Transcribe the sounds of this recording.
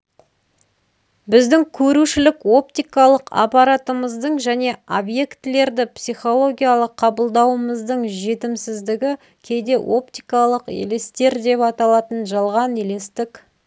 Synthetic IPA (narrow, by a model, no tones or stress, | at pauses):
bɪzd̪ɪŋkʲʰɵɾuʃɪlɪko̞pt̪ijkɑlˠəqɑ̰pɑɾat̪əməzd̪əɴʒæne̞obje̞kt̪ɪle̞ɾd̪ɪpsijχo̞lˠo̞ɡʲijalˠəqʰːɑbəlˠd̪ɑwəməzd̪əɴʒe̞t̪ɪmsɪzd̪ɪɡʲɪ | kʲʰe̞jd̪e̞ʔo̞p̚t̪ijkɑlˠəqḛlest̪e̞ɾd̪e̞pɑt̪ɑlˠɑt̪ənʒɑlˠʁɑnele̞st̪ɪk